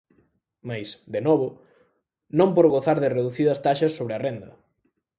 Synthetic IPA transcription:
majsd̪enɔβʊ | nõmpoɾɣoθaɾðɪreðuθiðɐst̪aʃɐsːoβɾeɪɐrɛnd̪ɐ

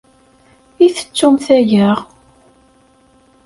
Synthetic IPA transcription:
iθə̥t͡sːʊmθæjæʁ

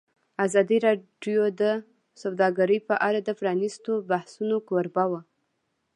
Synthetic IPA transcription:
azɑd̪iɾɑɖjod̪ə | sawd̪ɑɡaɾəjpəʔaɾad̪əfɾɑnist̪obahsunokoɾbawa

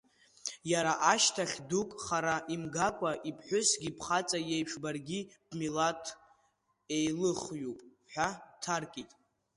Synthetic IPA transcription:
jaɾaʔaʃtʰaχʲdukʼχaɾaʔimɡakʷʼaʔipʰħʷᶣʊsɡʲipʰχat͡sʼajejpʰʂbarɡʲibmilatʰ | ejlɨχjupʼ | ħʷᶣabtʰarkʼitʼ

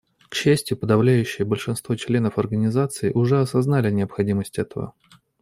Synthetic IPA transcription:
kɕːæsʲtʲɪjʊpəd̪ɐvlʲæjʉɕːɪjəbəlʲʂɨnst̪vot͡ɕlʲe̞nəfɐrɡənʲɪzat̪sɨɪʔʊʐɛɐsɐznalʲɪnʲɪəpxɐdʲiməsʲtʲɛt̪əvə̰

